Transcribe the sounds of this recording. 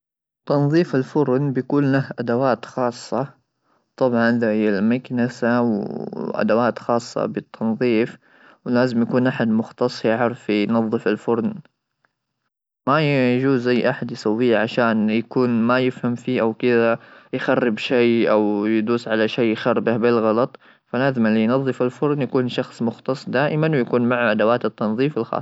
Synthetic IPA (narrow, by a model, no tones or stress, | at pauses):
t̪ːɑnðˤiːfɪlfʊɾˤnbɪjakuːnlahʔad̪awaːt̪xɑːsˤːɑ | t̪ˤɑbʕɑnʔɪðahɪjːalmaknasawʔa̰d̪awaːt̪xɑːsˤːɑ̰bɪt̪ʰːɑnðˤiːf | wlaːzɪmjakuːnʔaħad̪mʊxt̪ɑsˤjʕɑɾˤfijnɑðˤːɨfɪlfʊɾˤn | majd͡ʒuːzːajːʔaħad̪jɪsawːiːʕaʃaːnjakuːnmajɪfhamfiːʔawkɪðajxarːɪbʃajʔawjd̪uːsʕalaʃeːxɑɾˤbahbɪlɣɑlɑt̪ˤ | falaːzɪmɪlːijnɑðˤːɨfɪlfʊɾˤnjakuːnʃɑxsˤmʊxt̪ɑsˤd̪aːʔɪmanwjakuːnmaʕaʔad̪awaːt̪ɪt̪ːɑnðˤiːfɪlxɑ̰ːsˤ